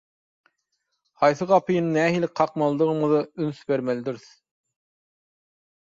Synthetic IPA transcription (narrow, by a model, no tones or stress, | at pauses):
hɑjs̬ɨʁɑpʰɨjinnɛɦilɪqʰɑqmɑlˠd̪əʁəməðɑynsbæɾmɛlɪd̪yɾs